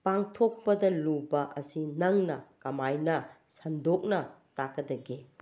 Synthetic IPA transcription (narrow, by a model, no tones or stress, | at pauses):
paŋtʰok̚pɐdɐlubɐʔɐsinɐŋnɐkɐmajnɐsɐndok̚nɐtakːɐdɐɡe